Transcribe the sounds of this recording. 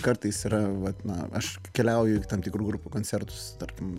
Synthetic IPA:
kɐɾt̪ɐɪsiːɾɐʋɐt̪nɐ̰ɐʃ | kʲɛlʲæʊjʊt̪ɐmpt̪ʲɪkɾuːɡɾupʲuːkoːnʲtsʲɛɾt̪ʊ̥st̪ɐrʲkʲɪm

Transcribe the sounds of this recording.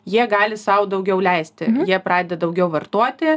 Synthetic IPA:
jiɛɡɑːlʲɪsɐʊd̪ɐʊɡʲɛʊlʲɛɪsʲt̪ʲɪjiɛpɾɑːd̪ʲɛd̪ɐd̪ɐʊɡʲɛʊʋɐrt̪uɔt̪ʲɪ

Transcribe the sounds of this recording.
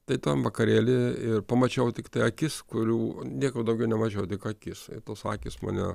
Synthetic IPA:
t̪ɐɪt̪ɐmʋɐkɐɾʲeːlʲɪɪrpɐmɐt͡ʃʲɛʊt̪ʲɪkt̪ɐɪɐkʲɪskʊɾʲuːnʲiɛkɐpd̪ɐʊɡʲɛʊnʲɛmɐt͡ʃʲɛʊt̪ʲɪkɐkʲɪsɪ̰t̪oːsɑːkʲɪsmɐ̰nʲɛ̰

